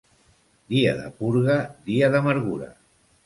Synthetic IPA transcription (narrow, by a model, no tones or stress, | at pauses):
d̪iəðə̰puɾɣəðiəðəməɾɣuɾə̰